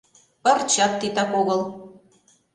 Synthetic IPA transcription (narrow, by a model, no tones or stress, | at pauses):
pɑrt͡ɕɑt̪ːit̪ɑkoɣɤ̆l